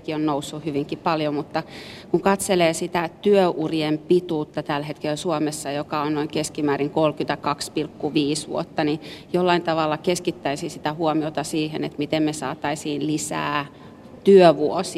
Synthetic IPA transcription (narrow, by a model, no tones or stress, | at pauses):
kionnousːuhyʋiŋkippɑljomut̪ːɑkuŋkɑt̪seleːsit̪æt̪yøʔurjempit̪uːt̪ːɑt̪ælhet̪kelsuomesːɑjokɑonnoiŋkeskimæːriŋkolkynt̪ækɑkspilkːuʋiːsʋṵot̪ːɑnijolːɑint̪ɑʋɑlːɑkeskit̪ːæisisit̪æhuomiot̪ɑsiːhenḛt̪mit̪emmesɑːt̪ɑisiːnlisæ̰ː | t̪yøʋuosi